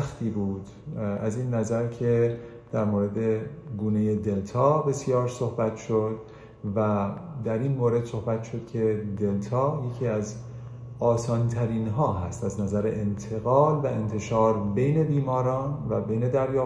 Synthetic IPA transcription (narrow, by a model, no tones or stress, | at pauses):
xt̪ʰiːbuːd̪̥ | æziːnːæzæɾcʰe̞ | d̪̥æɾmoːɾe̞d̪e̞ɡuːne̞jed̪e̞lt̪ʰɒːbe̞sijɒːɾsohbæt̪ʰʃod̪ | væd̪æɾiːnmoːɾe̞d̪so̞hbæt̪ʃo̞d̪̥cʲʰe̞d̪e̞lt̪ʰɒːje̞cʰiːæz | ɒːsɒːnt̪ʰæɾiːnɦɒːɦæst̪æznæzæɾeʔent̪ʰe̞ɣɒːlvæe̞nt̪ʰe̞ʃɒːɾbe̞jne̞biːmɒːɾɒːnvæbe̞jne̞d̪æɾjɒː